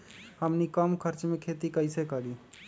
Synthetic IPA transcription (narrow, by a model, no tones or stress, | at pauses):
həmnikəmkʰəɾt͡ʃmekʰet̪ikəɪsekəɾi